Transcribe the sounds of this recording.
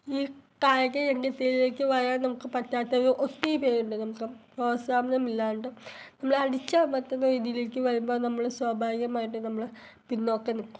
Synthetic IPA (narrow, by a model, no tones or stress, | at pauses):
iːkaːɻɐk̬ːɐenɡet̪ːeːɾile̞ːkːɨʋɐjaːnnɐmukːɨpɐtːaːt̪ːɐɾuʔot̪ːijpe̞ːɾuɳɖɨnɐmukːɨpoːɐsaːmɐnɐmilːaːuɳɖɨnɐmːɐɭɐɽit͡ɕːamɐt̪ːunːɐʋid̪ijile̞ːkːɨʋɐɻumboːnɐmːɐɭswaːbʱaːʋiɡɐmaːjiʈ̬ːɨnɐmːɐɭ | pinːokːenikːu̥m